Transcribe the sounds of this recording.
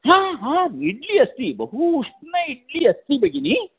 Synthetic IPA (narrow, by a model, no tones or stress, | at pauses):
ɦãːɦãːiɽliɐst̪ibɐɦuʂʈnɐiɽliɐst̪ibeɡini